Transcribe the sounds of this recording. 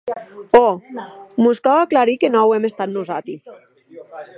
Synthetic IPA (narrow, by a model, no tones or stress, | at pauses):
o | muskawaklaɾikenɔwemest̪at̪nuzat̪i